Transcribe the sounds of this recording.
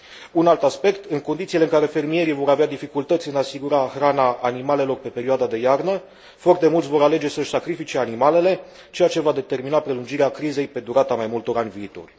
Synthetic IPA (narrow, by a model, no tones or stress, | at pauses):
unalt̪aspe̞kt̪ɨŋko̞nd̪it̪sileɨŋkaɾe̞fe̞rmije̞ɾijvo̞ɾavead̪ifikult̪ət̪sʲɨnasiɡuɾaxɾanaʔːnimale̞lo̞rpe̞pe̞ɾioad̪ad̪e̞jarnə | foart̪emult̪sʲvo̞ɾale̞d͡ʒe̞səɨʃʲsakɾifit͡ʃe̞animale̞le̞ | t͡ʃe̞jat͡ʃe̞vad̪e̞t̪e̞rminapɾe̞lund͡ʒiɾeakɾize̞jpe̞d̪uɾat̪amajmult̪o̞ɾanʲviːt̪o̞̰rʲ